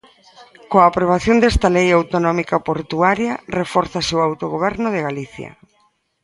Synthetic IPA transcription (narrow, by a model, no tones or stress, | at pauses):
koaːpɾoβ̞aθjond̪est̪ɐlejawt̪onɔmikapoɾt̪uaɾjɐrefɔɾθaseowawt̪oɣoβ̞ɛɾnoðeɣaliθjɐ̰